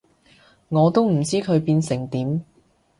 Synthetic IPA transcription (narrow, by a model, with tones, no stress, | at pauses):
ŋɔː˨˧t̪o˥wm̩˨˩t͡siː˥kʰɵ˨˧ɥpiː˧nsɪ˨˩ŋt̪iː˨˥m